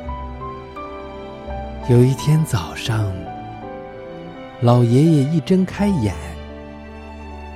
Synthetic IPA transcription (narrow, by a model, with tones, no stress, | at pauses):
jo˨˩ʊi˥˩t̪ʰjɛ˥nt͡sɑ˨˩ʊʂɑ˥˧ŋ | lɑ˨˩ʊjɛ˧˥jɛ˨˩i˥˩ʈ͡ʂə˥ŋkʰa˥ɪjɛ˨˩˦n